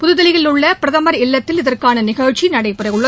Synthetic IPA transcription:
pʊðɯðɐlɪɣɪlɯɭːɐpɪɾɐðɐmɐɾɪlːɐt̪ːɪlɪðɐrkaːnɐnɪɣɐɻt͡ʃːinɐɽɐɪpːɪrɐɪjɯɭːɐ

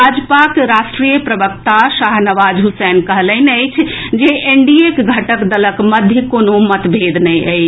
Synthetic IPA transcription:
ad͡ʒpakɾasʈɾijəpɾəbək̚t̪aʃaɦnəʋad͡ʒɦusɛnkəɦləɪnəɪt͡ʃʰd͡ʒeʔeɳɖiekɡʱəʈəkd̪ələkməd̪ʱjəkonomət̪bʱed̪nɛjəjt͡ʃʰ

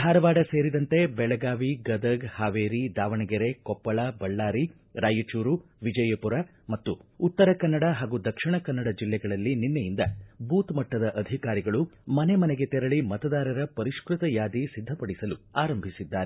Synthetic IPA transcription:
d̪ʰʱaːɾɐʋaːɽɐseːɾid̪ɐnt̪e̞bɛɭɐɡaːʋiɡɐd̪ɐɡhaːʋeːɾid̪aːʋɐɳɐɡeɾekɔpːɐɭabɐɭːaːɾi | ɾaːjɐt͡ʃuːɾuʋid͡ʒɐjɐpuɾa | mɐt̪ːuːt̪ːɐɾɐkɐnːɐɽaɦaːɡud̪ɐkʂiɳɐkɐnːɐɽɐd͡ʒilːɛɡɐɭɐlːininːejind̪ɐbʱuːt̪mɐʈːɐd̪ɐʔɐd̪ʱikaːɾiɡɐɭumɐne̞mɐneɡe̞t̪ɛɾɐɭimɐt̪ɐd̪aːɾɐɾɐpɐɾiʂkɾut̪ɐjaːd̪isid̪ʱːɐpɐɽisɐluaːɾɐmbʱisid̪ːaːɾe

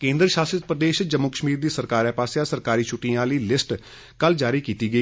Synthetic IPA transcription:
kẽːnd̪ɾəʃaːsət̪pɾəd̪eːʃd͡ʒəmːʊkəʃmiːɾd̪iːsəɾkaːɾɛːpaːsjaːsəɾkaːɾiːt͡ʃʰuːʈĩjãːləiːlɪsʈ | kəld͡ʒaːɾiːkiːt̪iːɡəi

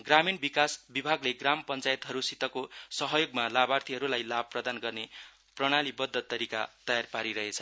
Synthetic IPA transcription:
ɡraminbikasbibʱaɡleɡrampʌnt͡sajet̪ɦʌɾusit̪ʌkosʌɦʌjoɡmalabart̪ʰiɦʌɾulajlab̚prʌd̪anɡʌrne | prʌɽ̃alibʌd̪ʱːʌt̪ːʌɾika̰t̪ʌjarpaɾiɾʌɦet͡sʰʌ

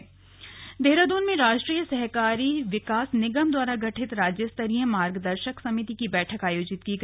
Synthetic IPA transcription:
d̪ʱeːɾad̪oːnmẽɾaːʃʈɾiːjəsɐɦkaːɾiʋɪkaːsnɪɡəmd̪waːɾaɡɐʈʰɪt̪ɾaːd͡ʒjəst̪ɐɾijə̃maːɾɡd̪ɐɾʃəksɐmɪt̪ikibɛːʈʰəkaːjoːd͡ʒɪt̪kiɡ

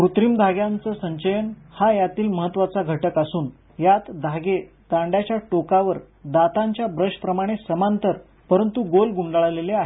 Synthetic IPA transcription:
pɾut̪ɾimd̪ʱaɡjãnt͡səːsəɲɕəjən | hajat̪iːlməɦət̪ːʋat͡saɡʱəʈəkasuːn | jat̪d̪ʱaɡe | t̪ãɳɖjat͡ɕjaʈokaʋəɾ | d̪at̪aɲt͡ɕjabɾəɕʈpɾəmaɽ̃esəmant̪əɾ | pəɾənt̪uɡolɡuɳɖaɭaleleaɦe

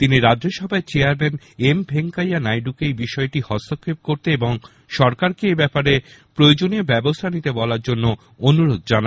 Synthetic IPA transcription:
t̪iniɾadd͡ʑoʃɔbʱaet͡ɕeaɾmen | embʱeŋkajanajɖukejbiʃɔeʈihɔst̪ʰokʰːep̚koɾt̪eeboŋ | ʃɔɾkaɾkeebɛpaɾepɾojod͡ʑoniebɛbost̪ʰanit̪ebɔlaɾd͡ʑonːo | onuɾod̪̚d͡ʑana

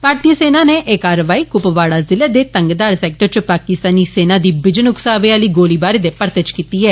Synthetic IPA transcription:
paːɾʈiːəseːnaːneːʔeːkaːɾəʋaːiːkʊpʋaːɽaːzɪleːd̪eːt̪əŋɡd̪aːɾsɛːk̚ʈəɾt͡ʃpaːkɪst̪aːniːseːnãːd̪iːbɪd͡ʒənʊksaːʋeːaliːɡoːliːbaːɾeːd̪eːpəɾt̪ət͡ʃkiːt̪iːɦɛː

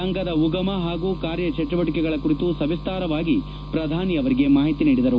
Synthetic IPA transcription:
ɐŋɡɐd̪ɐuɡɐmɐɦaːɡuːkaːɾjɐt͡ʃɐʈːuʋɐʈikɛɡɐɭɐkuɾit̪usɐʋist̪aːɾɐʋaːɡi | pɾɐd̪ʱaːniɐʋɐɾiɡe̞maːɦit̪iniːɽid̪ɐɾu

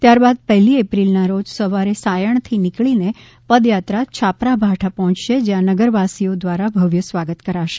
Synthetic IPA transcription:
t̪jaɾbad̪̚pɛɦliepɾilnaɾod͡ʒsəʋaɾesajəɳ̃t̪ʰinikɭine | pəd̪jat̪ɾat͡ʃʰapɾabʱaʈʰapɔɦɔ̃t͡ʃʃed͡ʒjãnəɡəɾʋasiod̪ʋaɾabʱəʋjəsʋaɡət̪kəɾaʃe

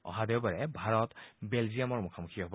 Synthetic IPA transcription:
ɔ̰ɦadewbaɹɛbʱaɹɔt̪belzijamɔɹmukʰamukʰiɦɔb

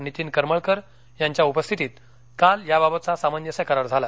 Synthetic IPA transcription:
nit̪iːnkəɾməɭkəɾ | jaɲt͡ɕjaupəst̪ʰit̪iːt̪ | kaljababət̪̚t͡sasamənjəsɛkəɾaɾd͡zʱala

